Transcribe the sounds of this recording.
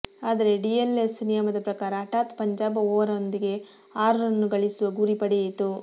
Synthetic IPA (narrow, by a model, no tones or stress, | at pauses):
aːd̪ɐɾe̞ɖielesnijɐmɐd̪ɐpɾɐkaːɾɐːʈaːt̪pɐɲd͡ʒaːbɐoːʋɐɾɐond̪iɡe̞ | aːɾuɾɐnːuɡɐɭisuʋɐɡuːɾipɐɽiɐjit̪ːu